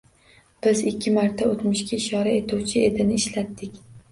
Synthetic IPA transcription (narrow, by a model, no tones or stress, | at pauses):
b̥ɪzɪkʲːɪmaɾt̪ʰaot̪mʊʃkʲaɪʃɒɾae̞t̪ʰuwt͡ʃʰɪe̞d̪ɪnɪːʃlat̪ːɪkʲ